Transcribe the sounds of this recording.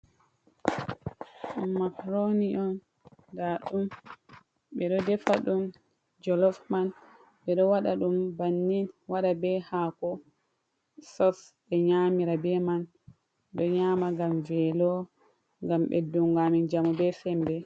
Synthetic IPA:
makɾoniɔn | daɗum | ɓɛɗɔdɛfaɗum | d͡ʒɔlɔfman | ɓɛɗɔwaɗaɗumbanːinwaɗabɛhakɔ | sɔs | ɛɲamiɾabɛman | ɗɔɲamaɡamvɛlɔ | ŋɡamɓɛ̰duŋɡamind͡ʒamubɛsɛmbɛ

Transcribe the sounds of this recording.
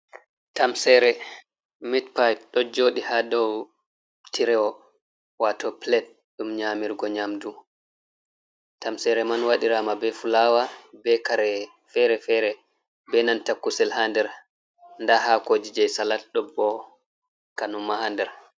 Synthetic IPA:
tamsɛɾɛ | mitpajp̚ɗɔd͡ʒoːɗihadɔw | tiɾɛɔ | watɔplɛt̚ | ɗumɲamiɾɡɔɲamdu | tamsɛɾɛmanwaɗiɾamabɛfulawabɛkaɾɛ | fɛɾɛfɛɾɛ | bɛnantakːusɛlhandɛɾ | ndaɦakod͡ʒid͡ʒɛjsalatɗɔbɔ | kanumːahandɛɾ

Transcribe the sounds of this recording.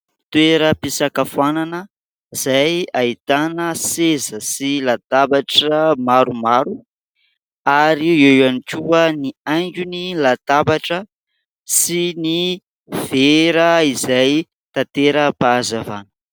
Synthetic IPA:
t̪weɾəpisakafananə | z̥ajait̪anəsezəsilat̪abaʈ͡ʂəmaɾumaɾu | aɾiewanikʲuəniajŋɡʲunilat̪abaʈ͡ʂə | sini | v̥eɾəizaj | t̪at̪eɾəpazava̰nə̥

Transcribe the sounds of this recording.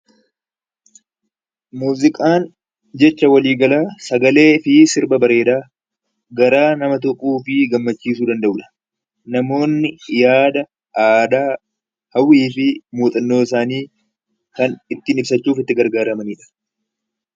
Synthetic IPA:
muːzɪkʼaːn | d͡ʒɛt͡ʃːɐwɐliːɡɐlaːsɐɡɐle̞ːfɪsɪɾbɐbɐɾe̞ːd̪aː | ɡɐɾaːnɐmɐt̪̬ɔkʼːuːfɪɡɐmːɐt͡ʃːiːs̬uːd̪ɐnd̪ɐʔʊᶑɐ̥ | nɐmo̞ːnːɪjaːd̪ɐ | aːd̪aː | hɐwːiːfɪmuːt̪ʼɐnːo̞ːɪsaːniː | kɐnɪt̪ːɪːnɪbsɐt͡ʃːuːfɪt̪ːɪɡɐɾɡaːɾɐmɐniːᶑɐ̥

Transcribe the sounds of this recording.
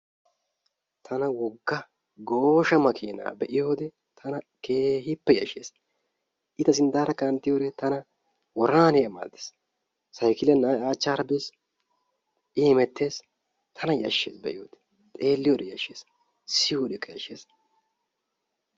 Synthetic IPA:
t̪ʰɐnɐwɔɡːɐ | ɡo̞ːʃɐmɐkʰiːna̰ːbɛʔɪjo̞ːd̪ɛ | t̪ʰɐnɐ | ke̞ːɦɪpːɛjɐ̰ʃḛːs | ʔɪt̪ɐs̬ɪnd̪aːɾɐkɐnt̪ːɪjoːd̪ɛt̪ɐnɐ | wɔɾaːneɐma̰ːd̪e̥s | sɐjkɪlɛnaːaːt͡ʃːaːɾɐbes | ʔɪːmɛt̪ːe̞ːs | t̪ʰɐnɐjɐ̰ʃːḛːsbɛ̰ʔɪjoːd̪ɛ̥ | t̪ʼeːlːɪjoːd̪ɛjɐʃeːs | sɪjoːd̪ɛkʼːɐjɐ̰ʃeːs

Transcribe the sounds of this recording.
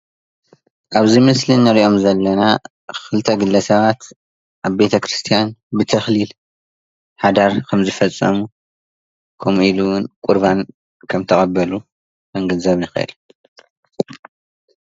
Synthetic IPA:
ʔaβzimɨslinɐɾiʔo̞mzɐlːɐna | xɨlt̪ʰɐɡɨlːɐsɐβat̪ | ʔaβbe̞t̪ʰɐkɾɨst̪ʰijanbɨt̪ʰɐxlil | ħad̪aɾkʰɐmzɨfɐt͡sʼːɐ̰mu | kʰomʔiluwʊnkʼuɾβan | kʰɐmt̪ʰɐχʼɐbːɐlu | ɐŋɡɐnzɐβnɨxɐʔɨ̰l

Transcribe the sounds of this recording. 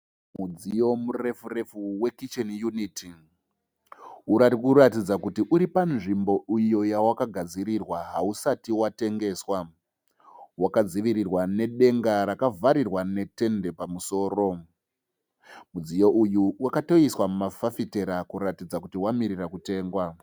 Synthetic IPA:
mud͡zijo̞mure̞fure̞fuwe̞kit͡ʃenjunitʰi | uakuratid͡zakutiʔuɾipanʐimbo̞ijo̞jawakaɡʱad͡ziɾirwaɦausatiwate̞ŋɡe̞swa | wakad͡ziʋiɾirwane̞ɗe̞ŋɡaɾakavʱaɾirwane̞te̞nde̞pamuso̞ːro̞ | mud͡zijo̞ujuwakato̞iswamumafafite̞ɾakuɾatid͡zakutiwamiɾirakute̞ːŋɡwa

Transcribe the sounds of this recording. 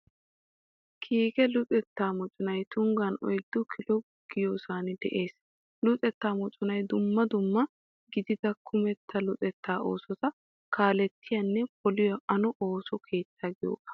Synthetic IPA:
kʰiːɡɛlʊt͡sʼɛt̪ːaːmɔt͡ʃʼʊnɐjt̪ʊŋɡɐnɔ̰jd̪̥ːʊkʰɪlɔbʊɡ̥ɪjoːsaːnɪd̪ɛ̰ʔe̞ːs | lʊt͡sʼɛt̪ːaːmɔt͡ʃʼʊnɐjd̪ʊmːɐd̪ʊmːɐ | ɡɪd̪ɪd̪ɐkʰʊmɛt̪ʰːɐlʊt͡sʼɛt̪ʰːaːo̰ːsɔt̪ɐ | kaːlɛt̪ːɪjɐnːɛpɔlɪjɐʔɐnɔʔoːsɔkʰe̞ːt͡sːaɡɪjo̰ːʔɐ̥

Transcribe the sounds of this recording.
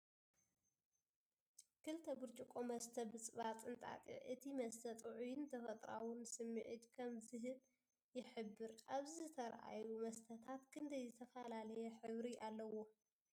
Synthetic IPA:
kʰɨlt̪ʰɐbɨɾt͡ʃʼukʼomɐst̪ʰɐbɨt͡sʼɨβat͡sʼɨnt̪ʼa̰t̪ʼḭʕʔɨt̪ʰimɐst̪ʰɐt̪ʼuʕʊjnt̪ʰɐfɐt̪ʼɾa̰wʊnsɨmːɨʕɨ̰d̪kʰɐmzɨɦɨl | jɪħɨbːɨɾʔaβzɨt̪ʰɐɾʔa̰jumɐst̪ʰɐt̪ʰat̪kʰɨnd̪ɐjzɨt̪ʰɐfɐlalɐjɛħɨβɾiʔalːɐwo̞

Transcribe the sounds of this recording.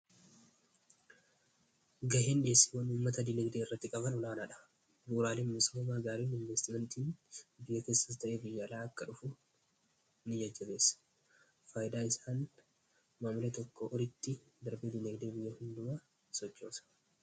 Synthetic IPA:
ɡɐheːnᶑeːsːe̥wɐnuːmːɐt̪ɐd̪ɪnɛɡd̪eːɪrːɐt̪ːɪkʼɐbɐnʊlaːnaːᶑɐ̥ | buːɾaːleːnmʊsʊɐmaːɡaːɾiːnɪnvɛst̪ɪmɛnt̪iːnbɪjːɐke̞ːsːɐt̪t̪ɐʔeːbɪjːalaːɐkːɐᶑʊfʊ | nɪjɐd͡ʒːɐbe̞ːsɐ̥ | faːjɪd̪aːɪsaːn | maːmʊlet̪ɔkːoʔɔɾɪt̪ːɪ | d̪ɐɾbed̪ɪnɛɡd̪eːbɪjːɐhɪnd̪ʊmaː | sɔt͡ʃːoːsɐ̥

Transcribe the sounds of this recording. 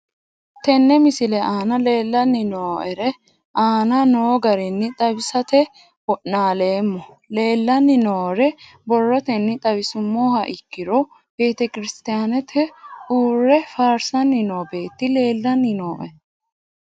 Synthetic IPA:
t̪ɛnːɛmɪsɪlɛʔaːnɐle̞ːlːɐnːɪnoːʔɛɾɛ | ʔaːnɐnoːɡɐɾɛnːɪt̪ʼɐbɪsɐt̪ɛ | wɔʔnaːle̞ːmːɔ | le̞ːlːɐnːɪnoːɾɛ | bɔrːɔt̪ɛnːɪt̪ʼɐbɪsʊmːoːhɐʔɪkːɪɾɔ | b̥e̞ːt̪ɛkɪɾɪst̪ɪjaːnɛt̪ʰɛuːrːɛfaːɾsɐnːɪnoːbe̞ːt̪ːɪle̞ːlːɐnːɪno̞ːʔɛ

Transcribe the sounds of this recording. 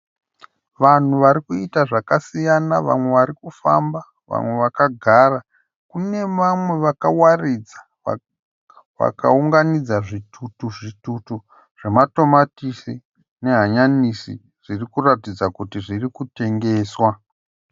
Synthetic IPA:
ʋan̤uʋaɾikuitaʐakasijanaʋa̰mwe̞ʋaɾikufa̰mba | ʋa̰mwe̞ʋakaɡʱara | kune̞ʋamwe̞ʋakawarid͡zḁ | ʋa̰ka̰uŋɡanid͡zaʐitʰutuʐitutu | ʐ̥e̞mato̞matisi | ne̞ɦaɲanisḭ | ʐ̥irikuratid͡zakutiʐirikute̞ŋɡe̞ːswa

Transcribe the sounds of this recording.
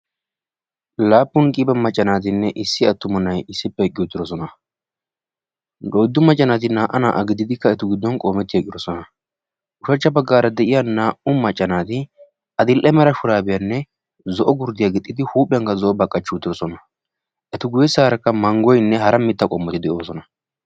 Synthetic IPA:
laːpːʊnkʼɪbɛmɐt͡ʃʼːɐnaːt̪̬ɪnːɛʔɪsːɪɐt̪ːʊmʊnːɐjɪsːɪpːɛkʼːɪjɔt̪ːɪd̪ɔs̬ɔnɐ | dɔjd̪ːʊmɐt͡ʃʼːɐnaːt̪̬ɪnaːʔɐna̰ːʔɐɡɪd̪ɪd̪ɪkːɐɛt̪ʊɡɪd̪ːɔnkʼoːmɛt̪ːɪjɛkʼːɪd̪ɔsɔnɐ | ʊʃɐt͡ʃːɐbɐɡːaːɾɐd̪ɛʔɪjanaːʔʊmɐt͡ʃʼːɐnaːt̪ɪ | ʔɐd̪ɪlʔɛmɛɾɐʃʊɾaːbɛjɐnːɛ | zɔʔɔɡʊɾd̪ɪjaɡɛt̪ʼːɪd̪ɪhuːpʼɪjɐŋkɐzɔʔɔbɐkʼːɐt͡ʃːuːt̪ːɪɾɔsɔnɐ | ʔɛt̪ʊɡʊjɛsaːɾɐkːɐmɐŋɡɔjnːɛɦɐɾɐmɪt̪ːɐkʼɔmːɔt̪ɪd̪ɛʔoːsɔnɐ

